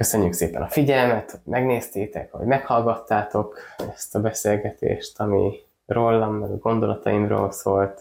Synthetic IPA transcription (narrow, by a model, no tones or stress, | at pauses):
køsø̞ɲːyksḛːpɛ̰nɒfiɟɛlmɛt̪hoɟmɛɡneːst̪eːt̪ɛ̰kho̞̰ɟmɛkhɒlɡɒt̪ːaːt̪o̞kɛst̪ɒbɛseːlɡɛt̪ḛːʃt̪ɒmḭ | ro̞lːɒmːɛɡɒɡo̞nd̪o̞lʔɒt̪ɒimro̰ːlsoːlt̪